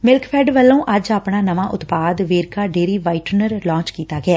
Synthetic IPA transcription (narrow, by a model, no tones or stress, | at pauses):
mɪlkpʰɛːɖʋəlːõːʔəd͡ʒaːpɳaːnəʋaːʔʊt̪paːd̪ʋeːɾkaːɖeːɾiːʋaːiʈɾnəɾlɔ̃ːt͡ʃkiːt̪aːɡɪɛː